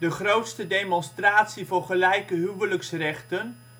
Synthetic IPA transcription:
dəχrowtstədejmɔnstraːtsivʊːɹχəlɛjkəɦywələksrɛχtən

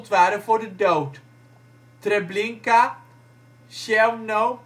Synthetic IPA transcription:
tʋaːɾəvʊːɹdədowt | treblɪŋka | ʃɛmnow

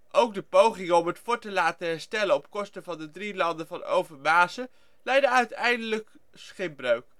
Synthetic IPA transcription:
ʔowɡ̚dəpowχɪŋəɔmɦətfʊːɹtəlaːtəɦɛɹstɛlənɔpkɔstəvɑndədrilɑndəvɑno̰wvəɹmaːsə | lɛjdəœɥtɛjndələk | sχɪmbrøɥk

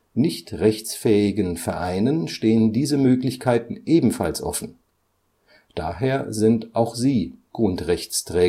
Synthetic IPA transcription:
nɪçtʁɛçt͡sfɛːɪɡənfɛɐʔaɪnənʃteːəndiːzəmøːklɪçkʰaɪtn̩ʔeːbm̩falsʔɔ̰fn̩ | d̥aːɦeːɐzɪntʔaʊxz̥iːɡ̥ʁʊntʁɛçt͡stʁ̥ɛː

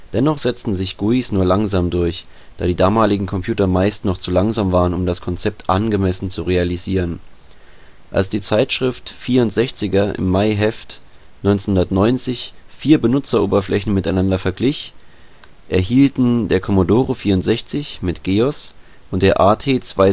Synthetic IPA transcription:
d̥ɛnɔχz̥ɛt͡stn̩zɪçɡ̥uisnuːɐlaŋzaːmdʊɐç | d̥aːɾiːdaːmaːlɪɡŋ̩kʰɔmpʰjuːtɐmaɪstnɔχt͡sulaŋzaːmvaːʁənʊmdaskʰɔnt͡sɛp̚tʔanɡəmɛsn̩t͡suʁealiziːʁ̞ən | ʔa̰lsd̥iːt͡saɪtʃʁ̥ɪftfiːɐʊntz̥ɛçt͡sɪɡɐʔɪ̰mːaɪɦɛft | nɔʏnt͡snhʊndɐtnɔʏnt͡sɪçfiːɐbənʊt͡sɐʔoːbɐflʔɛçn̩mɪtaɪnandɐfɛɐɡlɪç | ʔɛɐhiːltn̩deːɐkʰɔmodoːʁofiːɐʊntz̥ɛçt͡sɪçmɪtɡ̥eːɔs | ʔʊntd̥eːɐʔaːtʰeːt͡sv̥aɪ

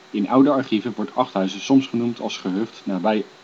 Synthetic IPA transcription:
ɪnʔʌwdəɑɹχivəʋɔɹtɑχtɦœɥzəsɔmsχənumtʰɑ̰lˠsχəɦɵχtnaːbɛj

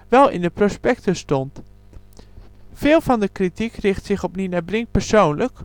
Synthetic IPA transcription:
ʋɛlˠɪ̰ndəprospɛk̚təstɔnt | fɪːlˠvɑndəkritikrɪχtsɪχɔpninabrɪŋ̚pəɹsownlək

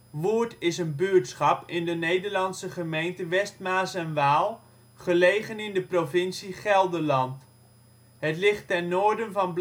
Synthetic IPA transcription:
ʋuːəɹtɪsənbyətsχɑpɪndənejdəɹlɑnsəχəmejntəʋɛstmaːsɛnʋaːlˠ | χəlejχənɪndəprovɪnsiχɛlˠdəlɑnt | ɦətlɪχtːɛnːoːɹdənvɑnb

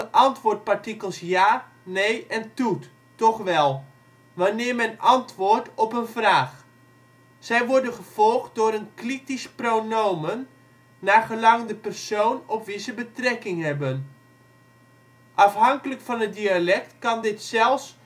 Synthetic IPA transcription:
ʔɑntʋʊːɹt̚paɹtikəlˠsjaː | nejʔɛntutː | ɔχʋɛlˠ | ʋanɪːrmɛnɑntʋʊrtɔpənvraːχ | sɛjʋʊɹdənχəv̥ɔlˠχt̚dʊːɾənkritisprownowmənː | aːχəlɑŋndəpɛrsoːwnɔpʋizəbətrɛkɪŋhɛbən | ʔɑfɦɑŋkələkfɑnət̚dialɛktkɑndɪtsɛlˠfs

